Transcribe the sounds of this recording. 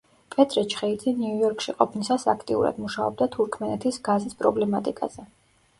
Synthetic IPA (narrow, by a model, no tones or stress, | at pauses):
pʼɛt̪ʼɾɛt͡ʃʰχɛid̪ziniujɔɾkʰʼʃiqʼɔpʰnisasa̰kʰt̪ʼiṵɾa̰d̪muʃaɔ̰b̚d̪at̪ʰuɾkʰmɛnɛt̪ʰisɡazispʼɾɔblɛmat̪ʼikʼa̰z̥ɛ